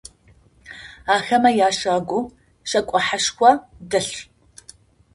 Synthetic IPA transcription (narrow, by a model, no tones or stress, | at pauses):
aːxɐmɐjaːʃaːɡʷʊ | ɕɐkʷʼɔħaʂkʷɐdɨɬ